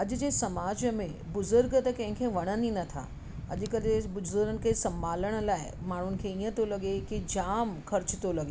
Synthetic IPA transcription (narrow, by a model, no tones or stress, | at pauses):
ɐʄʊd͡ʑeːsɐmaːd͡ʑmẽbʊzʊɾɡt̪ɐkɐ̃ɦɪ̃ŋkʰẽʋɐɽ̃əninɐt̪ʰa̰ː | ɐ̰ʄ̆kɐɗ̪ebʊzʊɾɡənɪ̆kʰesɐ̃mbʱaːləɽ̃̆laːɪmaːɳ̤ʊnɪ̆kʰẽiːə̃t̪olɐɠekid͡ʑaːmxʰɐɾt͡ɕɪt̪olɐɠeː